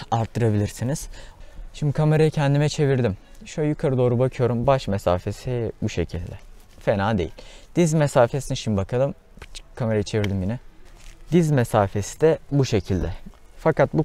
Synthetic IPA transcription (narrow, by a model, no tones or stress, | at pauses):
aɾt̪ʰːɯɾabilʲiɾsiniz̥ʃimd̪ikʰame̞ɾajicʰɛnd̪imɛt͡ʃʰe̞viɾd̪imʃuajukʰaɾɯd̪o̞ːɾubakʰɯjo̞ɾumbaʃmesa̰ːfe̞sibuʃe̞̰cʰilʲd̪ɛ | fenaːd̪e̞̰jḭlʲd̪̥izmesaːfe̞siniʃimibakʰalˠɯm | kʰameɾajit͡ʃʰe̞viɾd̪imjinɛd̪izmesaːfe̞si̥d̪ɛbuʃe̞cʰilʲd̪ɛfakat̪̚bu